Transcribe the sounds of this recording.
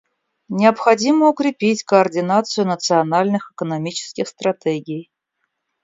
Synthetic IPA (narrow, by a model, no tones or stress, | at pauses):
nʲɪɐpxɐdʲiməʊkɾʲɪpʲitʲkəɐrdʲɪnat̪sɨjʊnət̪sɨɐnalʲnɨxɛkənɐmʲit͡ɕɪ̥skʲɪxst̪rɐtʲeɡʲɪj